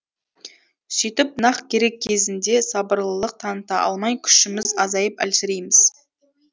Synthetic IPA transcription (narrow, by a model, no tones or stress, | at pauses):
sijt̪ɪp̚nɑqkʲʰe̞ɾe̞kʲʰːe̞zɪnd̪e̞sɑbəɾlˠəlˠəq̚t̪ʰɑnət̪ɑʔɑ̰lˠmɑjkʲʰʏ̥ʃɪmɪzɑzɑjəpæ̰lsɪɾejmɪz̥